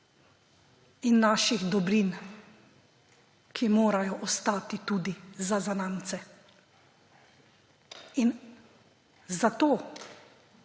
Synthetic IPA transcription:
inːaːʃiɣd̪ɔbɾin | kʰimoːɾajɔʔɔst̪aːt̪it̪uːd̪izazanaːnt̪sɛ | in | zat̪oː

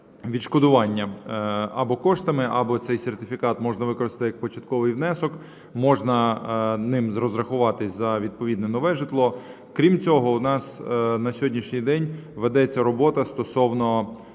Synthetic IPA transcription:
ʋʲid̪ʃkɔd̪ʊʋɑnʲːɐ | ɐbɔkɔʂt̪ɐmɪʔɐbɔt̪sɛjsʲert̪ɪfʲikɑt̪mɔʒnɐʋɪkɔɾɪst̪ɐt̪ɪjɐk̚pɔt͡ʃɐt̪kɔʋɪjʋnɛsɔk | mɔʒnɐnɪmzrɔzrɐxʊʋɑt̪ɪsʲzɐʋʲid̪̚pɔʋʲid̪nɛnɔʋɛʒɪt̪lˠɔ | kɾʲimt͡sʲɔɦɔʊnɑsnɐsʲɦɔdʲnʲiʃnʲijd̪ɛnʲʋed̪ɛt͡sʲːɐɾɔbɔt̪ɐst̪ɔsɔwnɔ

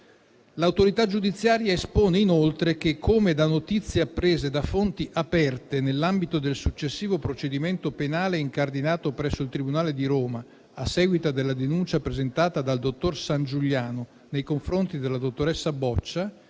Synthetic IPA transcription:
lawt̪oɾit̪ad͡ʒud̪it̪sːjaːɾjaespoːneinolt̪ɾek̟ekʰːomed̪anːot̪it̪sːjeapːɾeːzed̪afont̪iʔapɛrt̪enelːambit̪od̪elsut͡ʃːesːiːvopɾot͡ʃed̪iment̪openaːleiŋkard̪inaːt̪opɾɛsːoilt̪ɾibunaːled̪iɾoːma | asːɛːɡwit̪ad̪elːad̪enunt͡ʃapɾezent̪aːt̪ad̪ald̪ot̪ːorsand͡ʒuʎːaːno | nejkoɱfɾont̪id̪elːad̪ot̪ːoɾɛsːabɔt͡ʃːa

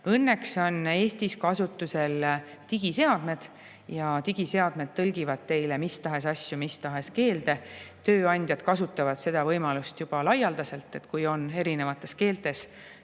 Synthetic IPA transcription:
ɤnːe̞kso̞ne̞ːst̪iskɑsut̪ːˑuse̞l | t̪iɡ̥ise̞ɑd̪̥me̞d̪̥ | jɑt̪iɡ̥ise̞ɑd̪̥me̞d̪̥̚t̪ɤlɡ̥ivɑd̪̥̚t̪e̞jle̞mist̪ɑɦe̞sɑsʲːjumist̪ɑɦe̞ske̞ːld̪e̞t̪øːɑnʲd̪jɑd̪̥kɑsut̪ːˑɑvɑd̪̥se̞d̪̥ɑvɤjmɑlust̪jub̥ɑlɑjɑld̪ɑse̞lt̪ˑːe̞t̪kujo̞ne̞ɾine̞vɑt̪ːˑe̞ske̞ːlt̪e̞s

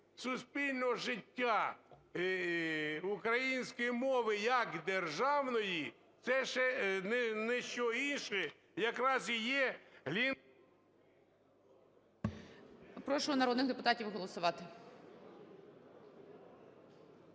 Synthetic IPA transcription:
sʊspʲilʲnɔɦɔʒɪtʲːa | ukɾɐjinʲsʲkɔjimɔʋɪjɐkd̪erʒɑwnɔji | t̪sɛʃɛnɛnɛʃt͡ʃɔinʃɛ | jɐkɾɑzijɛɦlʲi | pɾɔʃʊɔnɐɾɔd̪nɪxd̪epʊt̪ɑtʲiwɦɔlˠɔsʊʋɑt̪ɪ

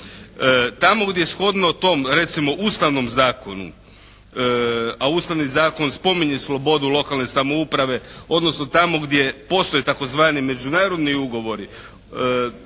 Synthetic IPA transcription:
t̪amo̞ɡd̪jeesxo̞d̪not̪o̞mɾe̞t̪simo̞ʔuːst̪aʋno̞mzaːko̞nṵ | auːst̪aʋnizaːko̞nspo̞miɲeslˠo̞bo̞d̪ulˠo̞kalˠne̞samo̞upɾaʋe̞o̞d̪nosno̞t̪amo̞ɡd̪je̞po̞st̪ojet̪ako̞zʋaːnime̞d͡ʒunaːɾo̞d̪niuɡo̞ʋo̞ɾi

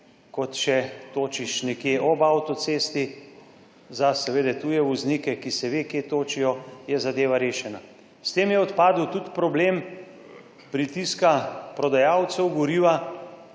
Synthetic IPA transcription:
kɔt̪ʃɛt̪oːt͡ʃiʃnɛkjeʔɔbawt̪ɔsest̪i | zasɛʋeːd̪ɛt̪ujɛʋɔznikɛkisɛʋeːkjeːt̪oːt͡ʃijɔjɛzad̪eːʋaɾeːʃɛna | st̪eːmjɛɔt̪paːd̪uwt̪ut̪pɾɔbleːm | pɾit̪iskapɾɔd̪ajawt̪sɛwɡɔɾiːʋa

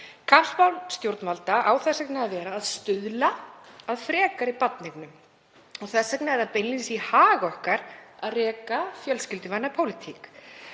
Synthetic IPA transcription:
kʰapspawlst̪jowɾt̪nmalt̪aʔaːwθɛsɛknɪaðvɛːɾaːðst̪ʏðlaaðfɾɛːkaɾɪpat̪nɪknʏm | ɔɣθɛsɛknɪɛɾðapejnlinsihaːɣɔhkaɾaðrɛːkafjœlscɪlt̪ʏvajnapʰowlɪt̪ʰik

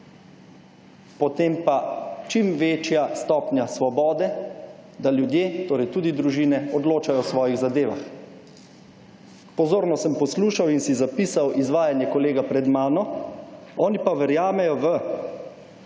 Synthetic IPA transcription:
pɔt̪eːmpat͡ʃimʋeːt͡ʃjast̪ɔːpnʲjasʋɔbɔːd̪ɛd̪aljud̪jeːt̪oːɾɛjt̪uːd̪id̪ɾuʒiːnɛɔd̪loːt͡ʃajɔsʋɔːjiɣzad̪eːʋa̰x | pɔzoːɾnɔsəmpɔsluːʃawinsizapiːsawizʋaːjanjɛkɔleːɡapɾɛd̪maːnɔ | ɔːnipaʋɛɾjaːmɛjɔʋə

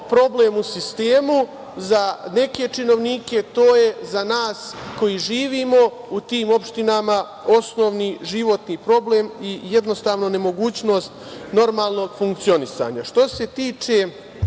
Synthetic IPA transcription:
pɾo̞ble̞ːmusist̪e̞ːmu | zane̞ke̞t͡ʃino̞ʋniːke̞t̪oːje̞zanaːsko̞jiʒiːʋiːmo̞ | ut̪iːmo̞pʃt̪inama | o̞snoːʋniʒiʋo̞t̪nipɾo̞bleːmijed̪no̞st̪aːʋno̞ne̞mo̞ɡuːt͡ɕno̞ːst̪no̞ɾmaːlˠno̞ːɡ̥fuŋk̚t̪sio̞nisa̰ːɲaʃt̪o̞se̞t̪iːt͡ʃe̞

